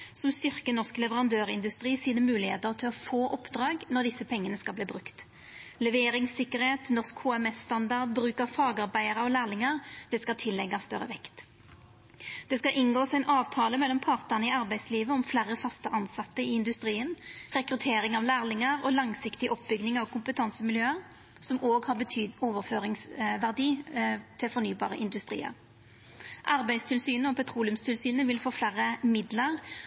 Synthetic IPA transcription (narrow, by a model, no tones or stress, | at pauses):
sɔmst̪ʏʁkənɔʁsklɛʋəʁɑnd̪øːʁɪnd̪ʉst̪ʁiːsiːd̪əmʉːlɪhḛːt̪əʁt̪ʰɪlɔfoːʔɔpd̪ʁɑːɡnɔʁd̪ɪsːəpʰɛŋːənəskɑlbliːbʁʉkt̪ | lɛʋeːʁɪŋsɪkːəʁheːt̪nɔʁskhoːɛmɛsːt̪ɑnd̪ɑʁd̪̚bʁʉːkəfɑːɡɑʁbæɪəʁəɔlæːʁlɪŋɑʁd̪̥ɛskɑt̪ʰɪlːɛɡɑst̪œʁə̰ʋɛkt̪ | d̪̥ɛskɑʔɪnɡoːsæɪnʔɑːʋt̪ʰɑːləmɛlːɔmpʰɑːʁt̪ənəɪɑʁbæɪsliːʋəɔmflæːʁəfɑst̪əʔɑnsɑt̪ːəɪɪnd̪ʉst̪ʁiːənʁɛkʁʉt̪ʰeːʁɪŋɑʋlæːʁlɪŋəʁɔlɑŋsɪkt̪ɪʔɔpbʏɡnɪŋɑʋkʰʊmpət̪ʰɑnsəmɪljøːəʁ | sɔmoːɡhɑʁbət̪ʰyːd̪oːʋəʁføːʁɪŋsʋæʁd̪iːt̪ʰɪlfɔɾnyːbɑ̰ːʁəʔɪnd̪ʉst̪ʁḭːə̰ʁ | ʔɑʁbæɪst̪ʰɪlsyːnəɔpʰɛt̪ʰʁuːlʉmst̪ʰɪlsyːnəʋɪlfoːflæʁəmɪd̪ləʁ